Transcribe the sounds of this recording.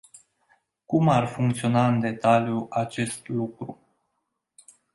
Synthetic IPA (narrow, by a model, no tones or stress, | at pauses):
kumarfuŋk̚t̪sio̞naɨnd̪e̞t̪aljuat͡ʃe̞st̪lukɾu